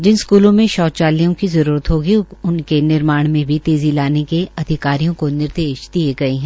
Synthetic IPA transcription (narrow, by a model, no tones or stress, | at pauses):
d͡ʒɪnskuːlõmẽʃɔːt̪t͡ʃaːlijõkizɐɾuːɾət̪ɦoːɡiʊnkenɪɾmaːɽ̃mẽbʱit̪eːzilaːnekeɐd̪ʱɪkaːɾijõkonɪɾd̪eːʃd̪ieɡɐeɦɛ̃ː